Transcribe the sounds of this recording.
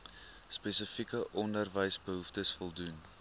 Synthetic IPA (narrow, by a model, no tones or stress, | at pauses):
spesəfikəʔɔndərvəjsbəɦuftəsfɔlˠdun